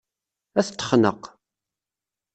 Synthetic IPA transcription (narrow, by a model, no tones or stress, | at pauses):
æθt̪ːə̥χnə̰q